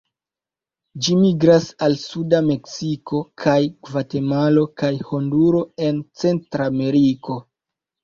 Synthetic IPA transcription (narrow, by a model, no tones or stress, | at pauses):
d͡ʒimiɡɾasalsudame̞ksiko̞kʰajɡvate̞malo̞kajho̞nduɾo̞e̞nt͡se̞ntɾame̞ɾiko̞